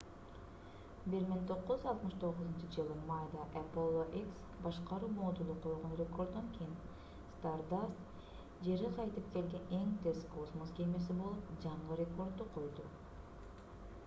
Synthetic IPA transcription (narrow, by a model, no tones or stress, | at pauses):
biɾmiŋt̪ʰo̞qːuzɑlˠt̪mɯʃt̪ʰo̞ʁʊzunt͡ʃɯd͡ʒɯlˠɯmajd̪ɑʔɛpolˠːoʔeks | bɑʃqɑɾuːmod̪ulˠuqʰojˠʁonrʲeko̞rd̪d̪oŋkʰʲijin | st̪ard̪ast̪ | d͡ʒe̞ɾiqʰɑjt̪ɯp̚ke̞lɡe̞ne̞ŋt̪ʰeskʰosmosɡʲemesibo̞lˠupd͡ʒɑɴʁɯɾʲeko̞rd̪̚uqʰo̞jd̪u